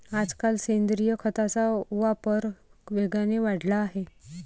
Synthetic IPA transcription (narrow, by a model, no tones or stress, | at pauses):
ad͡zkalsend̪ɾijəkʰət̪at͡sauʋapəɾʋeɡɭaneʋaɽlaːɦe